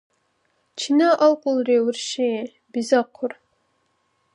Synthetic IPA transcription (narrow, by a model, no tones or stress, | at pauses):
t͡ʃʰinɐʔɐlqʷʼʊlreːwʊrʃe | bizɐqʷʰʊr